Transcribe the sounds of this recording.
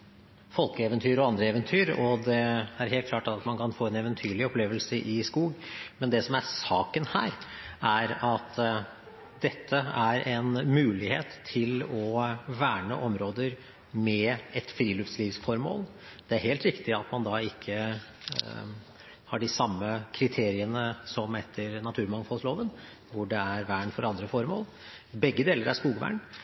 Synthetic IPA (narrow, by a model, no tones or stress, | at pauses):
fɔlˠkəɛʋənt̪ʰyːɾɔɑnd̪ɾəɛʋənt̪ʰyːɾɔd̪ɛæɾɦeːlt̪̚kʰlɑːʈɑt̪mɑnkʰɑnfoːɛnɛʋənt̪ʰyːɭɪɔpleːʋəlsəʔɪskuːɡmɛnd̪ɛsɔmæɾsɑːkənhæ̰ːɾæɾɑt̪ | d̪ɛt̪ʰːəæɾʔɛnmʉːlɪhḛːt̪ʰːɪlɔʋæːɳəʔɔmɾoːd̪əɾ | mɛɛt̪fɾiːlʉːfsliːʋsfɔɾmo̰ːl | d̪̥ɛæɾheːlt̪ɾɪkt̪ɪɑt̪mɑnd̪ɑːɪkʰːə | hɑɖɪsɑmːəkʰɾɪt̪ʰeːɾɪənəsɔmɛt̪ʰːəɾnɑt̪ʰʉːɾmɑŋfɑlsloːʋən | ʋʊɖɛæɾʋæːɳfɔɾɑnd̪ɾəfɔɾmo̰ːl | bɛɡːəd̪eːləɾæʂkuːɡʋæ̰ːɳ